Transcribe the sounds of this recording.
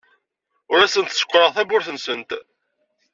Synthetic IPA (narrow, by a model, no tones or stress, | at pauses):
ʊɾæsənt̪sə̥kʷːɾˤəʁθæbʊɾθənsənt̪